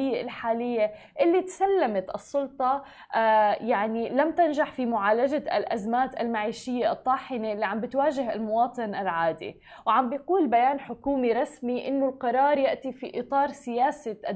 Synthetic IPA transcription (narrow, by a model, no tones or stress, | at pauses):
ɪjːeʔɪlħaːlɪjːe | ʔɪlːit̪salːamat̪ʔɨsˤːʊlt̪ˤɑ | jaʕnilamt̪ɪnʒaħfimʊʕaːlaʒa̰lʔazmaːt̪ʔa̰lmaʕiːʃɪjːeʔɨt̪ˤːɑːħɪneʔlːiʕambɪt̪waːʒɪɦɪlmʊwɑːt̪ˤɨnʔalʕaːd̪ḭ | wʕambɪjquːlbajaːnħʊkuːmiɾˤɑsmiʔɪnːʊlqɑɾˤɑːɾˤjaʔt̪ifiʔɨt̪ˤɑːɾˤsɪjaːsaʔ